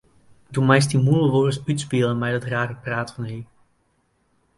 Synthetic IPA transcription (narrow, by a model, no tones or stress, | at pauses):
dumɛjs̬timulˠəʋʊrəsytspiːləmɛjdɑtraːrəpraːtfɑny